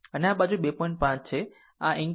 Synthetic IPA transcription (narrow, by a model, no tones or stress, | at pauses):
əneabad͡ʒubepɔjɳʈ̚pãt͡ʃt͡ʃʰe | a̰ʔĩŋ